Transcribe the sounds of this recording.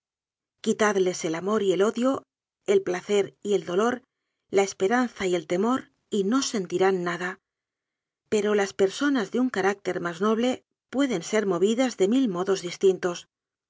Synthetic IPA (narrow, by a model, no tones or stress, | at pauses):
kit̪aðle̞se̞lamo̞ɾie̞lo̞ðjo̞ | e̞lplaθe̞ɾie̞ld̪o̞lo̞ɾ | lae̞spe̞ɾanθaie̞lt̪e̞mo̞ɾ | ino̞se̞nt̪iɾanːaða | pe̞ɾo̞laspe̞ɾso̞nazðeuŋkaɾak̚t̪e̞ɾmazno̞βle̞ | pwe̞ðe̞nse̞ɾmo̞β̞iðazðe̞milmo̞ðo̞zðist̪int̪o̞s